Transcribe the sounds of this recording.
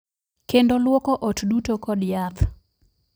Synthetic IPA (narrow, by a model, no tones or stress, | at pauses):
kendolwokɔʔotdutokɔdjat̪